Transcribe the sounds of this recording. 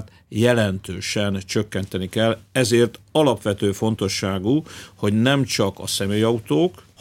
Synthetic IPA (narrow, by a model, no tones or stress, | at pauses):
t̪ | jɛlɛnt̪øːʃɛnt͡ʃø̞kːɛnt̪ɛnikɛlɛzeːrt̪ɒlɒpʋɛt̪øːfo̞nt̪o̞ʃːaːɡuho̞ɟnɛmt͡ʃɒkɒsɛmeːjɒut̪oːk